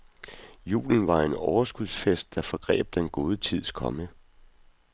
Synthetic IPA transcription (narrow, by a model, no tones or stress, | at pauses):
jṵːln̩ʋɑ̈e̝nɒʊɐsɡ̥uðˠsfesd̥̚ːɑ̈fɒ̽ɡ̥ʁɛ̰ːb̥̚d̥enɡ̥o̝ːð̞ˠət͡sʰið̞̰ˠskʰɒ̽mə